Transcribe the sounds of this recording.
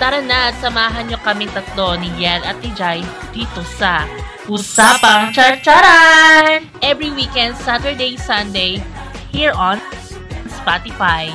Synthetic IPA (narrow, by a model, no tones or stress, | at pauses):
t̪ɐɾɐnad̪sɐmaːɦɐnɲokɐmɪŋt̪ɐt̪lo̞nijɛlɐt̪̚ːɪd͡ʒaj | d̪̥iːt̪o̞sɐ | ʔusaːpɐŋt͡ʃɐt͡ʃaɾan | ʔɛvɹiwikɛ̃nd̪sat̪ə˞d̪ejsɐnd̪ej | hiɹʔɔn | spat̪ɪfaj